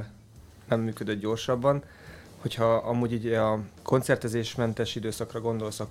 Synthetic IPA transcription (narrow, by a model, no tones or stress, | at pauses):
nɛmːyːkø̞d̪ød̪ɟo̞rʃɒbːɒn | ho̞chɒɒmuːɟiːɟɒkʰo̞ntsɛrt̪ɛzeːʃmɛnt̪ɛʃid̪øːsɒkrɒɡo̞nd̪o̞lsɒk